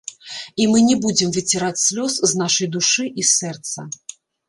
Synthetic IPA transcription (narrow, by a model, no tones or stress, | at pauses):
imɨnʲɛbud͡zʲɪmvɨt͡sʲɛɾat͡sʲsʲlʲɔsznaʂɐjd̪uʂɨʔisɛrt̪sɐ